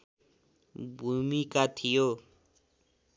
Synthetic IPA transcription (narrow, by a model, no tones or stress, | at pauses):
bʱumikat̪ʰijo